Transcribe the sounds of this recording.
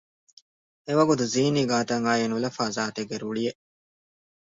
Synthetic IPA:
eʋɐɡut̪uziːniːɡaːt̪ɐŋaːjinulɐfaːzaːt̪eɡːeɾuɭijeʔ

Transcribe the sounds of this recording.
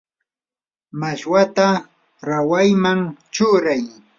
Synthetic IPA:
maʃwat̪a | ɾawajmaŋt͡ʃʊɾaj

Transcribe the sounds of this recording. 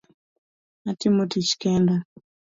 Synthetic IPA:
atimotit͡ʃi̥kɛnda

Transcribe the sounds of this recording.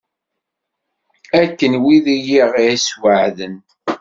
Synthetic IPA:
ækːənwiðijiʁiæswəʕðən

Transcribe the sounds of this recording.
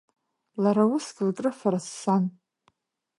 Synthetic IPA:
laɾawʊsɡʲɪlkʼrɨfaɾasːan

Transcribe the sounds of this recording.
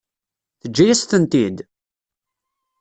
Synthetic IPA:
θəd͡ʒːæjæst̪ənt̪id̪

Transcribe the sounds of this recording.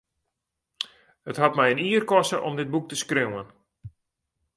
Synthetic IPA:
hətɦatmɛjəniərkɔsə̰ʔɔmdɪt̚buk̚təskrøwən

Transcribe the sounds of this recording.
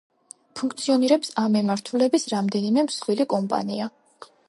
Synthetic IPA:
pʰuŋkʰt̪sʰiɔniɾɛpsamːimaɾt̪ʰulɛbisɾamd̪ɛnimɛmsχwilikʼɔmpʼa̰nia

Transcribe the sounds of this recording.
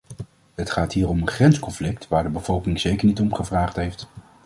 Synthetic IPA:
ɦətχaːtɦiːrɔmənχrɛnskɔnflɪk̚tʋaːɹdəbəv̥ɔlˠkɪŋz̥ejkəɹnitɔmχəvraːχtɦejft

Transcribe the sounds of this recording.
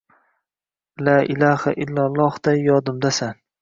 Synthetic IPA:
laːʔɪlaha̰ʔɪlːalˠːɒhd̪̥ajɒd̪ʊmd̪asan

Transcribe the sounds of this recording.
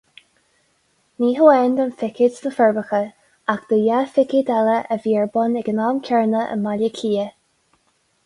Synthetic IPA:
niːɦəɛːnd̪ənfɪkɪdsd̪əfɛɹbəxə | akd̪̥əjafɪkɪd̪ɛləʔəviːəɹbʊnɛɡənamkʰɛɹnəʔə̰malʲəkʰiːə

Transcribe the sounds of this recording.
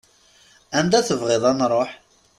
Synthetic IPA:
ænd̪æθəvʁeðˤɑnɾˤoħ

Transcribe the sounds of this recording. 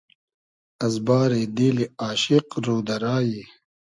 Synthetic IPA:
ɐzbaːɾed̪eːliaːɕiqɾoːd̪ɐɾaːji

